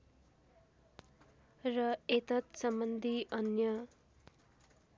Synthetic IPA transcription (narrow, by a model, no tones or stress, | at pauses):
rʌet̪ʌt̪sʌmbʌnd̪ʱiʔʌnjʌ